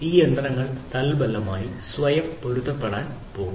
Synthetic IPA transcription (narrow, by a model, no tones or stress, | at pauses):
iːjend̪rɐŋːɐɭt̪ɐlbɐlːɐmaːjisʋɐjɐmpoɻut̪ːɐpːeɽaːn | po̞ːɡu